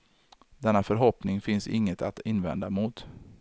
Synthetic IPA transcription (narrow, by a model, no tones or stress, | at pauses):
d̪ɛnːafœɾɦɔpnɪŋfɪnsɪŋːət̪ʰat̪ɪnːvɛ̰nd̪amʊt̪